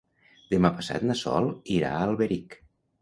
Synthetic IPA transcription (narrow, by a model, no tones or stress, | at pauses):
d̪əmapəsa̰t̪nəsɔ̰lˠiɾa̰əlˠβeɾik